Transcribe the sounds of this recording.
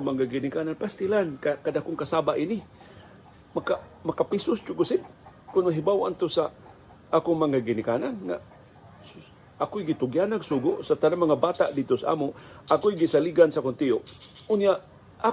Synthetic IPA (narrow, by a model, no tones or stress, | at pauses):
maŋaɡɪnɪkaːnanpast̪ɪlankakadakʊŋkasabaʔinɪ | makamakapisʊst͡ʃʊɡʊsɪd̚kʊnmaɦibawa̰nt̪ʊsa | ʔaːkʊŋmaŋaɡɪnɪkananŋa̰ | ʔakojɡɪt̪ʊɡjanaɡsuɡʊʔsat̪anamaŋabaːt̪aʔd̪id̪̚t̪osaʔa̰ːmoʔakojɡisaliɡansakʊnt̪ioʔʊnjaʔ | ʔa